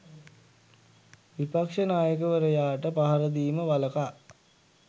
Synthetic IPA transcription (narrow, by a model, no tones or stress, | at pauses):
ʋipakʂənaːjəkəʋəɾəjaːʈəpaɦaɾəd̪iːməʋaləka